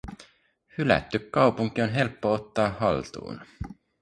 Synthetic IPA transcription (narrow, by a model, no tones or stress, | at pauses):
hylæ̰t̪ːykːɑwpuŋk̟io̞nɦe̞lpːoot̪ːɑːɦɑ̰lt̪ṵːn